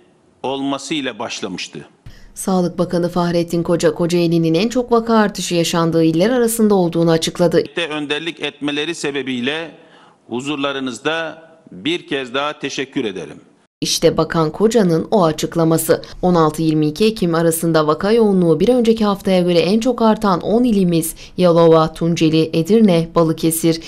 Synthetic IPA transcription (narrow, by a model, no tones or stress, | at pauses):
o̞lˠmasɯilʲɛbaʃlˠamɯʃt̪ʰɯ̰ | saːlˠɯk̚bakʰanɯfaxɾɛt̪ʰːinkʰo̞d͡ʒakʰo̞d͡ʒaelʲininænt͡ʃʰo̞kvakʰaːɾt̪ʰɯʃɯjaʃand̪ɯːilʲːæɾaɾasɯnd̪ao̞lˠd̪uːnuat͡ʃʰɯklˠad̪ɯt̪ɛønd̪æɾlʲicʰɛt̪̚melʲeɾisebebijlʲɛ | huzuɾlˠaɾɯnɯzd̪a | biɾcʰɛzd̪aɦat̪ʰeʃɛcʰːyɾed̪ḛɾḭm | iʃt̪ʰɛbakʰankʰo̞d͡ʒanɯno̞at͡ʃʰɯklˠamasɯo̞nalˠt̪ʰɯjiɾmiːcʰie̞cʰimaɾasɯnd̪avakʰajo̞unlˠuːbiɾø̞nd͡ʒe̞cʰiɦaft̪ʰajaɟø̞ɾɛʔænt͡ʃʰo̞kaɾt̪ʰanʔo̞nilʲimiz̥ | jalˠo̞vat̪ʰund͡ʒe̞lʲiʔed̪iɾnɛb̥alˠɯcʰe̞siɾ̥